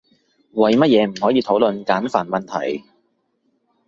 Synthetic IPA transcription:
wɐ˨jmɐ˥t̚jɛː˨˧m̩˨˩hɔː˨˥jiː˨˧t̪ʰo˨˥wlɵ˨˧nkaː˨˥nfaː˨˩nmɐ˨nt̪ʰɐ̰˨˩j

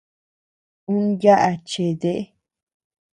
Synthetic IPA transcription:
ũ˦nja˦ʔa˧t͡ʃe˨ðe˦ʔe˦

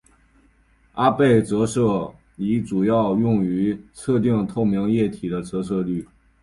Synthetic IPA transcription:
a˥pe˥˩ɪt͡sɤ˧˥ʂɤ˥˩ | li˧˥ʈ͡ʂu˨˩jɑ˥˧ʊjʊ˥˩ŋy˧˥t͡sʰɤ˥˧t̪̬i˥˧ŋt̪ʰo˥˩ʊmjɑ˧˥ŋjɛ˥˩t̪ʰi˨˩d̪ə˦t͡sɤ˧˥s̬ɤ˥˧ly˥˩

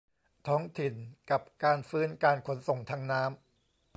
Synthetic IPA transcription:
t̪ʰɔː˦˥ŋt̪ʰi˨˩nka˨˩p̚kaː˧nfɯː˦˥nkaː˧nkʰo˩˦nso˨˩ŋt̪ʰa˦˥ŋnaː˦˥m

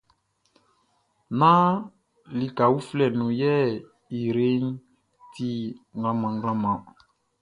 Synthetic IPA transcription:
nã˦ | li˦ka˨u˦flɛ˨nũ˨jɛ˦˨ | i˨ɾe˦n˦ | ti˦ŋɡã˨mã˨ŋ˦ɡã˦mã˨

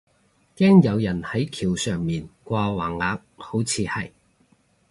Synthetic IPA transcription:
kɛː˥ŋjɐ˨˧wjɐ˨˩nhɐ˨˥jkʰiː˨˩wsœː˨˩ŋmiː˨nkʷaː˧waː˨˩ŋːaː˨˧˥k̚ho˨˥wt͡sʰiː˨˧hɐ̰˨˩j

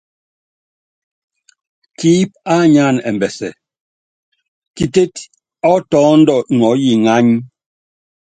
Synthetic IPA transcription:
kiː˦p̚a˦ɲa˦˨nɛ˨mbɛ˨sɛ̰˨ | ki˨te˦t | ɔ˦tɔː˨˦n̩˦dɔ˦˨n˨ɔ˨˦ji˦˨ŋa˦ɲ˦

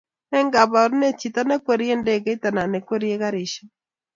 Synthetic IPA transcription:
ɛ˦ŋɡa˨ba˨ɾne˦t͡ʃi˨t̪a˦nɛ˦kwe˨ɾi˦e˦ndɛ˦˨kɛ˦t̪a˨na˨nɛ˨kwe˦ɾi˦e˦ka˦ɾɪ˨ʃa˦

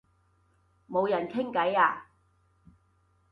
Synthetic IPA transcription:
mo˨˧wjɐ˨˩nkʰɪ˥ŋkɐ˨˥jaː˧

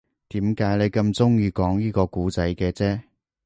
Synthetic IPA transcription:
t̪iː˨˥mkaː˨˥jle˨˧jkɐ˧mt͡sʊ˥ŋjiː˧kɔː˨˥ŋjiː˥kɔː˧kuː˨˥t͡sɐ˨˥jkɛː˧t͡sɛː˥

